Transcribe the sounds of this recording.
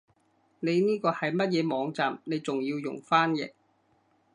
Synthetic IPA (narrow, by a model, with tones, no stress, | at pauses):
ne˨˧jniː˥kɔː˧hɐ˨jmɐ˥t̚jɛː˨˧mɔː˨˧ŋt͡saː˨mne˨˧jt͡sʊ˨ŋjiː˧wjʊ̰˨˩ŋfaː˥njɪ̰˨˩k̚